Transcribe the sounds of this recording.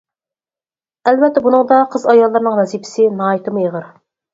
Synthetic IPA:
ælvɛt̪ːɛbunɨŋd̪ɑqʰəzɑjɑlˠːɨɾnɨŋwɛzipʰɪ̥sɪnɑːjit̪ɨmɨjəʁəɾ

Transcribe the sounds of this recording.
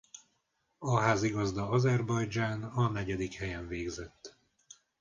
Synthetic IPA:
ɒɦaːziɡɒzd̪ɒɒzɛrbɒjd͡ʒaːnɒnɛɟɛd̪ikhɛjɛɱveːɡzɛt̪ː

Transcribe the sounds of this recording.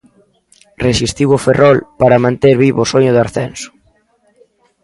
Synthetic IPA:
resist̪iwʊferʔɔlpaɾɐmãnt̪eɾβiβosoɲʊðaɾθɛnsʊ̥

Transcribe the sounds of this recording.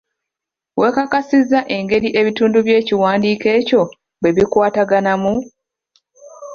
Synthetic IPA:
we̞ːkakasizːaʔe̞ŋɡe̞ɾiʔe̞βituːnduβje̞ːciwaːndiːke̞ːco̞ | bwe̞βikwaːtaɡanamu

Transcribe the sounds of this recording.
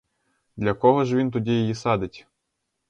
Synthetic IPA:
d̪lʲakoɦɔʒvʲint̪udʲijejisad̪ɘtʲ

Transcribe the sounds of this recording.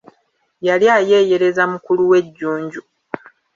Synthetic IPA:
jaljaːje̞ːje̞ɾe̞zamukuluwe̞ɟːuːɲɟu

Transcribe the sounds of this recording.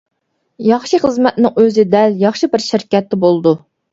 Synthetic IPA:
jɑχʃiχəzmɛt̪̚nɪŋøzɪd̪ɛljɑχʃibɪɾʃɪɾkʲɛt̪ʰːɪbolˠd̪u

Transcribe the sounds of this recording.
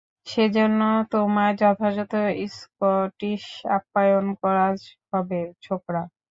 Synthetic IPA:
ʃed͡ʑonːot̪omaed͡ʑɔt̪ʰad͡ʑɔt̪oiskoʈiʃa̰pːajonkɔɾaɦɔbet͡ɕʰokɾa

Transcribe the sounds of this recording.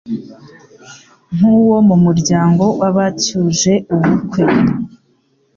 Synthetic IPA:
ŋ̥uwo̞mumuɾɟaːŋɡo̞waβacuʒe̞uβukwe̞

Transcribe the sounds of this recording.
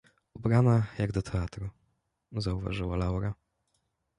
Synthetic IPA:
ubɾanajaɡd̪ɔt̪ʰɛat̪ɾu | zauva̰ʐɨwalawɾa

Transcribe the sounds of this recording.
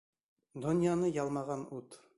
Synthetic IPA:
d̪ŏnʲjɑnɤjɑlˠmɑʁɑnut̪

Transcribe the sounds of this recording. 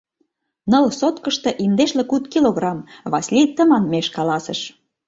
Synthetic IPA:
nɤ̆lsot̪kəʃt̪ɤ̆ʔimd̪eʃlĕkut̪kiloɣrɑmβɑsʲlʲit̪ːəmɑnmeʃkɑlɑsĕʃ

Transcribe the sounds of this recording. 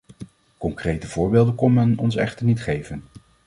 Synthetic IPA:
kɔŋkrejtəv̥ʊːɹbeːlˠdənkɔnmɛnɔnsɛχtəɹnitχejvən

